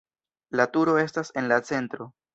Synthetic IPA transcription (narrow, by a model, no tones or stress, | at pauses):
latuɾo̞e̞stase̞nlat͡se̞ntɾo̞